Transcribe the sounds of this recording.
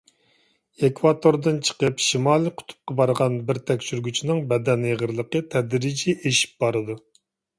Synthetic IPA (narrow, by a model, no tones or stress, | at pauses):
ekʰvɑt̪ʰoɾd̪ɨnt͡ʃʰə̥qəpʃimɑlˠɨqʰʊ̥t̪ʰu̥p̚qɑbɑɾʁɑnbɪɾt̪ʰɛkʲʃyɾɡʲyt͡ʃʰinɨŋbɛd̪ɛneʁəɾlˠəqət̪ʰɛd̪ɾid͡ʒiʔeʃi̥p̚b̥ɑɾɨd̪u